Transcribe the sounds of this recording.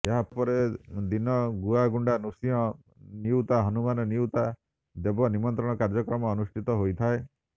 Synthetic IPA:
eɦapɔɾed̪inɔɡuaɡuɳɖanusiɔ | niut̪aɦɔnumanɔniwt̪a | d̪ebɔnimɔnt̪ɾɔɽ̃ɔkaɾd͡ʒɔkɾɔmɔːnusʈʰit̪ɔɦojt̪ʰae

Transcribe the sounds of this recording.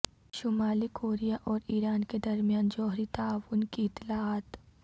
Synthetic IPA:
ʃʊmaːlikoːɾijaʔɔːɾiːɾaːnked̪ɐɾmijaːnd͡ʒɔːɦɾit̪aːʋʊnkiɪt̪ːɪlaaːt̪

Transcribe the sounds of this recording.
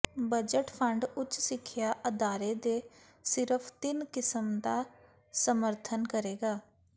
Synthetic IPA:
bəd͡ʒəʈpʰəɳɖʊt͡ʃːsɪkʰːjaːʔəd̪aːɾeːd̪eː | sɪɾəpʰt̪ɪnkɪsəmd̪aː | səməɾt̪ʰənkəɾeːɡaː

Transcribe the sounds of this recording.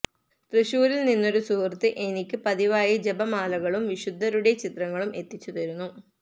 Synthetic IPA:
t̪rɨɕuːɾilninːo̞ɾusurt̪ːiʔe̞nikʲːɨpɐðiʋaːjɐd͡ʑe̞bɐmaːlɐɣɐɭumʋiɕud̪ʱːɐɾuɽe̞t͡ɕit̪rɐŋːɐɭumʔe̞t̪ːit͡ɕːut̪ɐɾunːu

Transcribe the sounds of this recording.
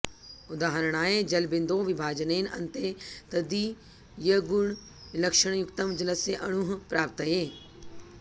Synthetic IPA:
ʊd̪aːɦəɾəɽ̃aːed͡ʒɐlbɪnd̪õʋɪbʱaːd͡ʒəneːnɐ̰nt̪et̪ɐd̪i | jɐɡʊɳ | lɐkʃəɳ̃jʊkt̪əmd͡ʒələseʔɐɽ̃ʊɦpɾaːp̚t̪əɦeː

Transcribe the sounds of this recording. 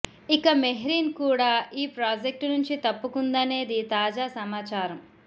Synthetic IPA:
ikɐmeɦɾiːnkuːɽaːiːpɾaːd͡ʒek̚ʈnuɲt͡ʃit̪ɐpːukund̪ɐne̞ːd̪it̪aːd͡ʒaːsɐmaːt͡ʃaːɾɐm

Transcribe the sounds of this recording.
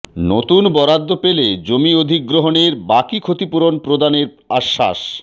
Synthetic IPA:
not̪unbɔɾad̪ʱːopeled͡ʑomiod̪ʱikːɾoɦoneɾbakikʰot̪ipuɾonpɾod̪aneɾ | aʃːa̰ʃ

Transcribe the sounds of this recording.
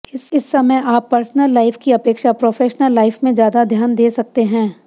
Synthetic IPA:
ɪsɪsːɐməjaːpːɐɾsnəlːaːɪfkiɐpeːkʃapɾoːfʰeːʃnəlːaːɪfmẽd͡ʒjaːd̪ad̪ʱjaːnd̪eːsɐk̚t̪eɦɛ̃ː

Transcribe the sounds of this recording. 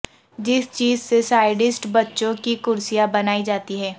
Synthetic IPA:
d͡ʒɪst͡ʃiːzsesaːɪɖɪsʈbɐtːʃõkikʊɾsijabɐnaːid͡ʒaːt̪iɦɛː

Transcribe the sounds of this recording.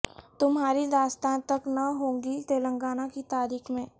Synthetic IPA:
t̪ʊmɦaːɾid̪aːst̪ãːnt̪ɐknɐɦõːŋɡit̪eːlə̃ŋɡaːnakit̪aːɾiːkmẽː

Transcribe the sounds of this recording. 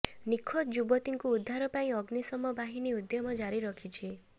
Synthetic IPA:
nikʰɔt̪d͡ʒubɔt̪iŋkuːd̪ʱːaɾɔpaĩɔɡnisɔmɔbaɦiniud̪jɔmɔd͡ʒaɾiɾɔkʰit͡ʃʰi

